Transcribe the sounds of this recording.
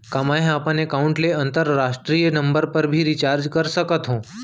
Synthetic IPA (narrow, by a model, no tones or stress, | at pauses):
kamaɦẽapənekauɳʈleənt̪əɾɾaʂʈɾijənəmbəɾpəɾbʱiːɾit͡ɕaɾd͡ʒkəɾsəkət̪ɦõ